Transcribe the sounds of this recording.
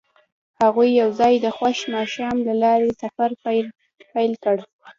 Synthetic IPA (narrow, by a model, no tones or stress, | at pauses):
haɣujːawzɑjd̪əxwaʃmɑʃɑmlalɑɾesafaɾp | pajlkəɽ